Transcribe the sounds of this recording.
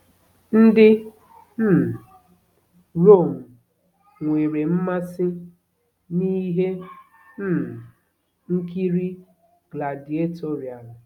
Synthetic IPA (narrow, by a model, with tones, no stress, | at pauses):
n̩˦dɪ˦ | m̩˦˨ | ɾo˦˨m̩˨ | ŋʷe˨ɾe˨m̩˦ma˦sɪ˦ | ni˦ɦe˦ | m̩˦˨ | ŋ̩˦ki˦ɾi˦ | ɡla˨di˨e˦to˦ɾi˨a˨l